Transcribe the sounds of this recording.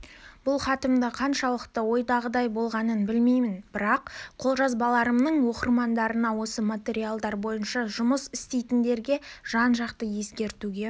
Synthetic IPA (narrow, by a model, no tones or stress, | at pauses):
b̥ʊlˠχɑt̪əmd̪əqʰɑnʃɑlˠəqt̪əwo̞jd̪ɑʁəd̪ɑjbo̞lˠʁɑnənbɪlmejmɪnb̥ɪɾɑqqʰːo̞lˠʒɑzbɑlˠɑɾəmnəɴwo̞qəɾmɑnd̪ɑɾənɑwo̞səmat̪ʲe̞ɾialˠd̪ɑɾbo̞jənʃɑʒʊməsɪst̪ejt̪ɪnd̪e̞ɾɡʲe̞ʒ̥ɑnʒɑqt̪əje̞skʲe̞ɾt̪uɡʲe̞